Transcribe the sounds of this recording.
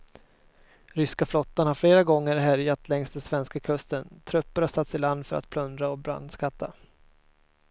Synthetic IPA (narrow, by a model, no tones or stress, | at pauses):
ɾʏskaflɔt̪ːanhaɾfleːɾaɡɔŋːəɾɦæɾjat̪lɛŋst̪d̪ɛnsvɛnskakʰɵst̪ənt̪ʰɾœpːʊɾasat̪sɪland̪fœɾa̰t̪̚pʰlɵnd̪ɾaɔbɾa̰nd̪skʰat̪ʰːa